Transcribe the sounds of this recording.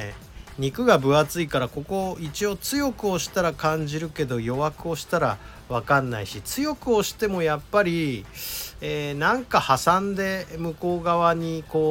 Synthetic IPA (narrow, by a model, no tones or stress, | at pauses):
ɲ̟ikɯ̟ɡabɯ̟at͡sɨikaɾako̞ko̞it͡ɕio̞t͡sɨjo̞kɯ̟o̞ɕi̥t̪aɾakãɲ̟d͡ʑiɾɯ̟ke̞d̪o̞jo̞βakɯ̟o̞ɕi̥t̪aɾa̰ | βakãnːa̰iɕit͡sɨjo̞kɯ̟o̞ɕi̥t̪e̞mo̞japːaɾʲi | eːnãŋkahasãnd̪e̞mɯ̟ko̞ːɡaβaɲ̟iko̞ː